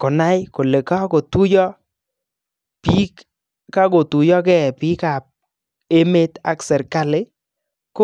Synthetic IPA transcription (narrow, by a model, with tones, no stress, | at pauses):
kɔ˨na˦jko˨le˨ka˦ko˨tu˦jɔ˦ | pi˦k | ka˦ɡo˨tu˨jɔ˦kɛ˦˨pi˦ka˨p̚ | e˦me˦t̪a̰˦ksɛ˨ɾka˦˨lɪ˦ | ko˦